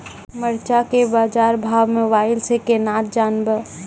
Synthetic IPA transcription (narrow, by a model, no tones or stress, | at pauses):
məɾt͡ʃakebaːd͡ʒaɾbʱaʋmeʋaɪlsekenat̪̚d͡ʒanbə